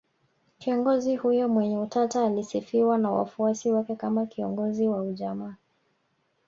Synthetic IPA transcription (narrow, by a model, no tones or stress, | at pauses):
kiɔŋɡɔzihujɔmwɛɲɛutataːlisifiwanawa̰fuasiwakɛkamakiɔŋɡɔziwauʄamaː